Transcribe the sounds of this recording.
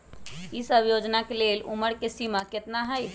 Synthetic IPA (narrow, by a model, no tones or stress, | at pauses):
isəbʱjod͡ʒnakelelṵməɾkesimaket̪naɦəj